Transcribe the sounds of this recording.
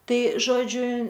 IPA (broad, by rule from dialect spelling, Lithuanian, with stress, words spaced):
ˈtɐɪ ˈʒoːd͡ʒʲʊ